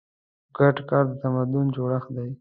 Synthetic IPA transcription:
ɡaʈkɑɾd̪ət̪amad̪ʊnd͡ʒoɽaxd̪aj

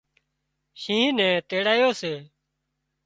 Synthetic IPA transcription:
ʃĩːnɛ̃ːt̪eːɽaːjoːseː

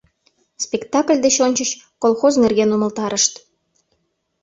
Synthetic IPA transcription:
spʲekt̪ɑklʲd̪et͡ɕonʲt͡ɕət͡ɕ | kolˠxoznerɣenuməlt̪ɑɾəʃt̪

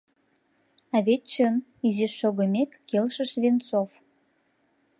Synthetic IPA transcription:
ɑβet̪̚t͡ɕənizeʃːoɣə̆mʲekːelʃəʃβent͡sof

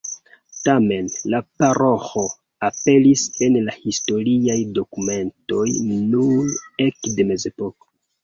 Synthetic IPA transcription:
tame̞nlapaɾoxo̞ | ape̞lise̞nlahisto̞ɾiajdo̞kume̞nto̞jnune̞kde̞me̞ze̞po̞ko̥

